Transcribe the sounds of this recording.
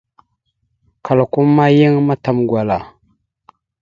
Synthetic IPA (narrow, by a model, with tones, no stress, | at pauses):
kʰa˨lku˦mːa˦ji˦ŋma˦ta˦mɡʷwa˨la˨